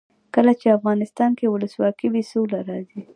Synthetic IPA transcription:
kəlat͡ʃeafɣɑnɪst̪ɑnkewʊləswɑkibisulaɾɑzi

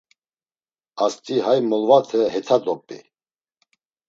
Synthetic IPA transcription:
ast̪ʼiɦajmɔlvat̪ʰəɦɛt̪ʰad̪ɔpʼḭ

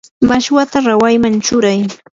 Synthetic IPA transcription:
maʃwat̪aɾawajmant͡ʃʊɾaj

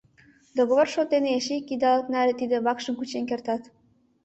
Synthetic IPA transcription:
d̪oɣoβorʃot̪eneeʃekːid̪ɑlək̪nælʲĕt̪id̪ĕβɑkʃə̆mkut͡ɕenkert̪ɑt̪

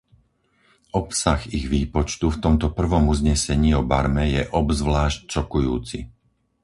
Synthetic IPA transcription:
ʔɔpsaxiɣʋiːpɔt͡ʃt̪uft̪ɔmt̪ɔpr̩ʋɔmuzɲɛsɛɲiːɔbaɾmɛjɛʔɔbzʋlaːʃct͡ʃɔkujṵːt͡sḭ

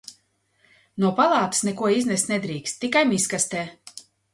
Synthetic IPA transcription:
nuɔpalˠɑːt̪ɨ̥snɛkuɔiznɛst̪ʲnɛd̪ɾiːkst̪ːikajmiskast̪eː

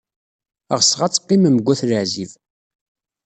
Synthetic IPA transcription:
əʁsʁat͡sːqːiməməɡʷːæθləʕziv

